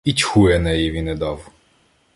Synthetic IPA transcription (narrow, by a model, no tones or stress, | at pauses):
itʲxujɛnɛjiʋʲinɛd̪ɑw